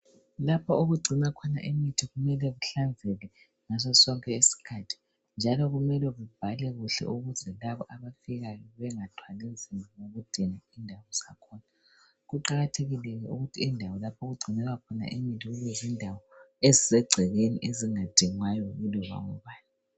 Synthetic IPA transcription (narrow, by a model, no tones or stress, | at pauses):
lapʰaoɣuɡ͡ǀʱinakʰɔna̰ʔemitʰiɣumɛlɛɣuɬand͡zʱɛlɛ | ŋas̬ɔsɔŋkʼɛesi̥kʰatʰi̥ | nd͡ʒʱalɔɣumɛlɛɣub̥ʱalɛɣuɬɛ̰ʔuɣuzɛlaβɔʔaβafiɣajɔβɛŋatʰwalinzimʱanoɣud̥ʱinaindʱawɔsakʰɔːna | ɣuǃaɣatʰeɣilɛɣɛʔuɣutʰiːndʱawɔlapʰoɣuɡ͡ǀʱinɛɣakʰɔna̰ʔemitʰiɣuɣɛzindʱawɔezisɛɡ͡ǀʱɛɣenḭʔeziŋad̥ʱiŋwajɔɣulɔɣa̰ŋɔβaːni